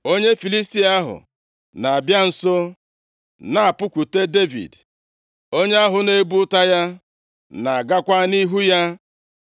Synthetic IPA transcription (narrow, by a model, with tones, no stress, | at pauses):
o˦ɲe˦fi˨li˦sti˦a˦ɦʊ̰˨ | na˨a˨bja˦n̩˨so˦ | na˦a˨pʊ˦kʷu˨te˦de˦vḭ˨d | o˦ɲe˦a˦ɦʊ˨ne˦bu˦ta˦ja˦ | na˨a˨ɡa˦kʷa˦ni˦ɦu˦ja˦